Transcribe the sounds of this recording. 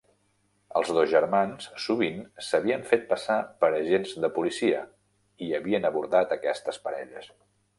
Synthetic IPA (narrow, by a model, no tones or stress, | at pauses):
ə̰lˠzðozʒəɾmanssuβinsəβiəɱfet̪̚pəsapəɾəʒenzðəpulisiə̰ | iəβiənəβuɾðat̪əkɛst̪əspəɾɛ̰ʎəs